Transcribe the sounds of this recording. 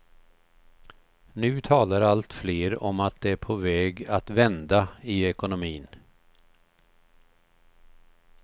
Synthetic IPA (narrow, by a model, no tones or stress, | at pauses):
nʉ̟ːt̪ʰɑːlaɾalt̪fleːɾɔmat̪̚d̪ɛæɾpʰɔvɛːɡat̪vɛnd̪aɪɛkʊnʊmiːn